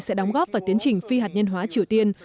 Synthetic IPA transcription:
sɛ̰˧˥ɗɔ˨˦ŋ͡mɣɔː˦˥p̚vaː˨˩t̪i˨˦ənt͡ɕï˨˩ŋ̟fi˧haː˨˩t̚ɲə˧nɦwaː˨˦t͡ɕi˨˩əwt̪i˧ən

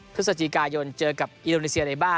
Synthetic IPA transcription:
pʰɯ˦˥sa˧t͡ɕʰi˨˩kaː˧jo˧nt͡ɕɤː˧ka˨˩p̚ʔi˧ndoː˧niː˧˥si˧ɐ˧na˧˩jbaː˥˩

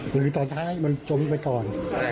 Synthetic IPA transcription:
ɾɯː˨˧˦t̪ɔː˧nt̪ʰaː˦˥jmɨ˧nt͡ɕo˧˩mpa˧˦kɔː˧n

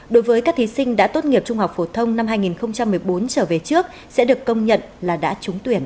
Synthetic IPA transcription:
ɗo˨˦jvəː˨˦jkaː˦˥k̚t̪ʰi˨˦sï˧ŋ̟ɗa̰ː˧˥t̪o˦˥t̚ŋi˨˩əp̚t͡ɕʊ˧ŋ͡mhɦa˨˩wk͡p̚fo˧˩t̪ʰə˧wŋ͡mna˧mɦaː˧jŋi˨˩nxə˧wŋ͡mt͡ɕa˧mːɨ˨˩əjɓo˨˦nt͡ɕəː˧˩ve˨˩t͡ɕɨ˦˥ək̚ | sɛ̰˧˥ɗɨ˨˩ə˩kːə˧wŋ͡mɲə̰˧˨nlaː˨˩ɗa̰ː˧˥t͡ɕʊ˨˦ŋ͡mt̪wi˧˩ən

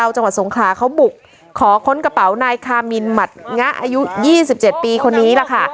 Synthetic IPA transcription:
a˧wt͡ɕa˧ŋa˨˩so˩˦ŋkʰlaː˩˦kʰa˦˥wbu˨˩k̚ʰː | ɔː˩˦kʰo˦˥nka˧pa˩˦wnaː˧jkʰaː˧mi˧nma˨˩t̪̚ŋa˦˥ʔa̰ː˧ju˦˥jiː˥˩si˨˩p̚t͡ɕe˨˩t̪̚piː˧kʰo˧nːiː˦˥la˨˧˩kʰa˥˩

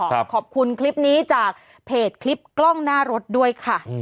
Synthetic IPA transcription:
kʰɔː˨˩p̚kʰu˧nkʰli˦˥p̚niː˦˥t͡ɕaː˨˩k̚ | pʰeː˨˩t̪̚kʰli˦˥p̚klɔ˥˩ŋnaː˥˩ɾo˦˥t̪̚du˥˩əjkʰa˥˩

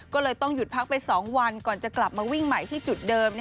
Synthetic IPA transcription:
kɔː˥˩lɤː˧jt̪ɔ˥˩ŋju˨˩t̪̚pʰa˦˥k̚pa˧jsɔː˩˦ŋwa˧nkɔː˨˩nt͡ɕa˨˩kla˨˩p̚maː˧wi˥˩ŋma˨˩jt̪ʰiː˥˩t͡ɕu˨˩t̪̚dɤː˧m

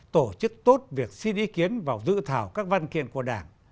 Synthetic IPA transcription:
t̪o˧˩t͡ɕɨ˦˥k̚t̪o˦˥t̚vi˨˩ək̚si˧nʔi˨˦ki˨˦ənvaː˨˩wzɨ̰˧˨t̪ʰaː˧˩wkaː˦˥k̚va˧nkḭ˧˨ənku˧˩əɗaː˧˩ŋ

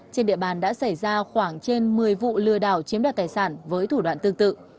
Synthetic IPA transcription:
t͡ɕe˧nɗḭ˧˨əɓaː˨˩nɗa̰ː˧˥sa˧˩jzaː˧xwaː˧˩ŋt͡ɕe˧nmɨ˨˩əjvṵ˧˨lɨ˨˩əɗaː˧˩wt͡ɕi˨˦ənɗaː˨˩t̚aː˨˩jsaː˧˩nvəː˨˦jt̪ʰu˧˩ɗwaː˧˨nt̪ɨ˧əŋt̪ɨ̰˧˨

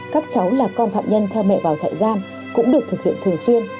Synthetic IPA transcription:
kaː˦˥k̚t͡ɕa˨˦wlaː˨˩kɔ˧nfa̰ː˧˨mɲə˧nt̪ʰɛ˧wmɛ̰˧˨vaː˨˩wt͡ɕa̰ː˧˨jzaː˧m | kʊ̰˧˥ŋ͡mɗɨ˨˩ək̚t̪ʰɨ˨˩k̚hḭ˧˨ənt̪ʰɨ˨˩əŋswi˧ən

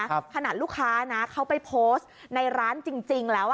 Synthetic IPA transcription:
kʰa˧naː˨˩t̪̚lu˥˩kʰːaː˦˥na˦˥kʰa˦˥wpa˧jpʰoː˦˥st̪na˧jɾaː˦˥nt͡ɕi˧ŋt͡ɕi˧ŋlɛː˦˥w

